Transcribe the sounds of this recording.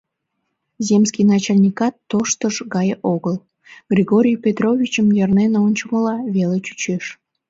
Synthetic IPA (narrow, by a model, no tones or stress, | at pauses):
zʲemskʲijnɑt͡ɕɑlʲnʲikɑt̪ːoʃt̪əʃɡɑjʔoɣəl | ɡ̥rʲiɣoɾʲijpʲet̪rovʲit͡ɕəmjɑrnenonʲt͡ɕəməlɑβelet͡ɕy̥t͡ɕeʃ